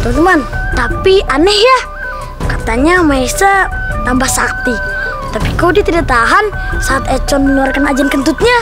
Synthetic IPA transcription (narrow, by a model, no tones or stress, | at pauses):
t̪ɔmnt̪əmant̪apiʔanɛhja | kat̪aɲamaɛsat̪ambahsak̚t̪i | t̪apikawdiat̪idaʔ̚t̪aɦansaːt̪ɛt͡ʃɔnmənuarkanad͡ʒankənt̪ut̪̚ɲa